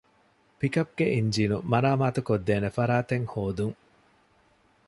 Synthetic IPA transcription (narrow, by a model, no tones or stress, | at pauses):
pikɐp̚ɡeʔiɲd͡ʒiːnumɐɾaːmaːt̪ukod̪ːeːnefɐɾaːt̪eŋhoːd̪uŋ